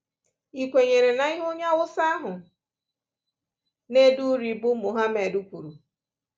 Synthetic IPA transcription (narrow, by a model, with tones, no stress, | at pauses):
i˨kʷe˨ɲe˨ɾe˨na˨˦i˦ɦʊ˦ɲa˦wʊ˦sa˦ɦʊ˨ | ne˦du˦ɾi˨bʊ˦mʊ˨ɦa˦me˨du˦kʷu˨ɾu˨